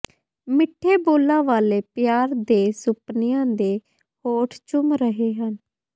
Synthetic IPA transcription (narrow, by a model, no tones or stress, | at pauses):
mɪʈʰːeːboːlːãːʋaːleːpjaːɾd̪eːsʊpnɪjãːd̪eː | hoːʈʰt͡ʃʊmɾəɦeːɦən